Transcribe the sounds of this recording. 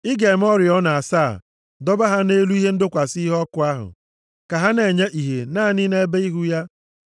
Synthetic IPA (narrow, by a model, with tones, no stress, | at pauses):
ɪ˦ɡe˨m˦ɔ˦ɾjɔ˦na˨a˨saː˦˨ | dɔ˦ba˦ɦa˦ne˦lu˦i˦ɦe˦n̩˦dʊ˦kʷa˨si˦ɦɔ˦kʊ˦a˦ɦʊ̰˨ | ka˨ɦa˦ne˨ɲe˦ʔi˨ɦe˨naː˦˨ni˦ne˦be˦i˦ɦu˦ja˦